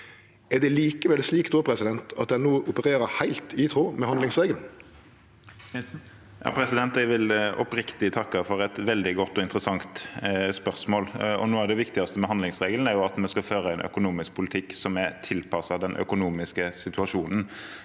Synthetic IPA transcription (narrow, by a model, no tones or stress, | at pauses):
æd̪ɛliːkəʋɛlsliːkd̪oːpʰɾɛsɪd̪ɛnt̪ʰɑt̪d̪ɛnoːʊpəɾeːɾəhæɪlt̪ʰɪt̪ʰɾuːmɛhɑnlɪŋsʁeːɡəln̩ | jɑ̰ːpʰɾɛsɪd̪ɛnt̪ɛʋɪlɔpɾɪkt̪ɪt̪ʰɑkːəfɔɾɛt̪ʋɛld̪ɪɡɔt̪ːɔɪnt̪ɾəsɑŋt̪spœʁsmoːlɔ̰noːæd̪ɛʋɪkt̪ɪɡɑst̪əmɛɦɑnd̪lɪŋsʁeːɡəlnæɾjʊɑt̪mɛskɑføːɾəæɪnœ̰kʊnuːmɪsk̚pʰʊlɪt̪ʰɪkːsɔmæɾt̪ʰɪlpʰɑsɑd̪ɛnʔœ̰kʊnuːmɪskəsɪt̪ʉɑʂuːnn̩